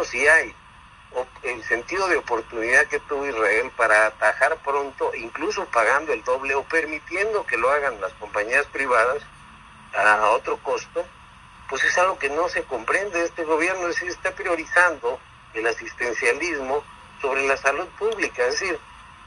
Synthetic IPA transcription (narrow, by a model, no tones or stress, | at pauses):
siaj | oelse̞nt̪iðo̞ð̞eopo̞ɾt̪uniðaðke̞t̪uβoizrae̞lpaɾaːt̪axaɾpɾo̞nt̪o̞ʔiŋkluso̞paɣand̪oe̞ld̪o̞βleo̞pe̞ɾmit̪je̞nd̪o̞ke̞lo̞aɣanlasko̞mpaɲiaspɾiβaðas | paɾao̞t̪ɾo̞ko̞st̪o̞ | pwe̞se̞salɣo̞ke̞no̞se̞ko̞mpɾe̞nd̪eest̪e̞ɣ̞o̞β̞je̞ɾnozesiɾest̪apɾjo̞ɾisand̪o̞ | elasist̪e̞nsjalizmo̞ | so̞β̞ɾe̞lasaluðpuβlikaezðesiɾ